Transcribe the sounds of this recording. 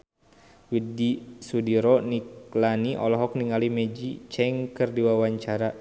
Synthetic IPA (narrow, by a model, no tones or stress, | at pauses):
widisudiɾɔniklaniʔɔlɔɦɔkniŋalimɛd͡ʒit͡ʃɛŋkɨrdiwawaɲt͡ʃaɾa